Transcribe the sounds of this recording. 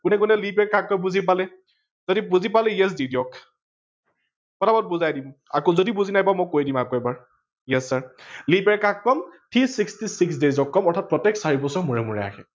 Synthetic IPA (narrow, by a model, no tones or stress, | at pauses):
kunɛk̬unɛlipɛɹkakːɔmbuzip̬alɛ | zodibuzipalɛjɛs̬didiɔk | kɔtʰabɔt̚buzajdima̰kozodibuzinajpamojkojdimakoɛbaɹ | jɛsːaɹlipɛɹkakːɔmtʰisikstisiks̬dezɔkːɔmɔɹtʰat̚pɹɔtɛksaɹibɔsɔɹmuɹɛmuɹɛ̰ja̰kʰɛ̰